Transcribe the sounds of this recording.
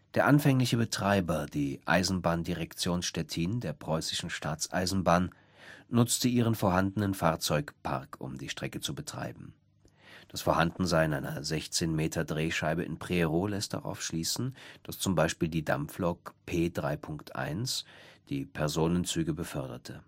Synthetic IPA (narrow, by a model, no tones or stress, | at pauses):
d̥eːɐʔanfɛŋlɪçəbətʁ̥aɪbɐd̥iːʔa̰ɪzn̩baːndiʁɛkt͡sjoːnsʃtɛtʰindeːɐpʁ̥ɔʏsɪ̥ʃn̩ʃtaːt͡sʔa̰ɪzn̩baːn | nʊt͡stəʔiːʁ̞ənfoːɐɦandənənfaːɐt͡sɔʏkpʰa̰ʁkʰʊ̰mdiːʃtʁ̥ɛkət͡subətʁ̥a̰ɪbm̩ | d̥asfoːɐhandn̩zaɪɪnʔaɪnɐzɛçt͡seːnmeːtʰɐdʁeːʃaɪbəʔɪ̰npʁ̥eːʁolɛst̚d̥a̰ʁa̰ʊfʃliːsn̩d̥ast͡sʊmbaɪʃpiːldiːda̰mflɔkpʰeːdʁaɪpʰʊŋktʰʔa̰ɪnsd̥iːpʰɛɐzoːnənt͡syːɡəbəfœɐdɐ̰tʰə